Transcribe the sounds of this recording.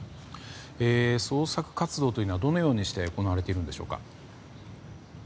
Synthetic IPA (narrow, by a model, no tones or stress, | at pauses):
eːso̞ːsakɯ̟̥kat͡sɨd̪o̞ːt̪oiːnad̪o̞no̞jo̞ːɲ̟iɕi̥t̪e̞oko̞naβaɾe̞t̪e̞iɾɯ̟nd̪e̞ɕo̞̰ːka̰